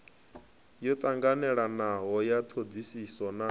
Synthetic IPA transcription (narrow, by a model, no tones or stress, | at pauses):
jɔt̪ʼaŋɡanɛɺanaɦɔjat̪ʰod̪isisɔna